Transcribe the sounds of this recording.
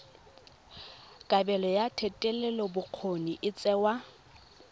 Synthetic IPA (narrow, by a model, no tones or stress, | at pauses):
kʼabɛlɔjatʰɛtʼɛlɛlɔbʊq͡χʰoniʔɪt͡sʼɛwa